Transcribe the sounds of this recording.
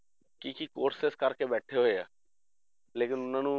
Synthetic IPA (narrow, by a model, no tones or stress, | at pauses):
kikikoːʈsɪskəɾkebɛːʈʰeɦoeaː | leːkɪnʊnãːnũː